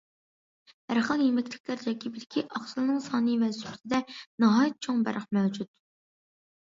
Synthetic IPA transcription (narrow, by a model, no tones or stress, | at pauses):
æɾχəlˠjemɪkʲt̪ʰɪ̥kʲlæɾd͡ʒɑkʲibilkʲʰiʔɑχsɨlˠnɨŋsɑːnɨvælsy̥psɪd̪ɛnɑɦɑːjt̪̚t͡ʃʰoŋbæ̰ɾʔəχmæwd͡ʒut̪̚